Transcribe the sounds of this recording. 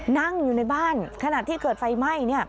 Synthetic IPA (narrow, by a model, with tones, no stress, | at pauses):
na˥˩ŋjuː˨˩na˧jbaː˥˩nkʰa˧na˨˩ʔt̪ʰiː˥˩kɤː˨˩t̪̚fa˧jma˥˩jni˥˩ɐ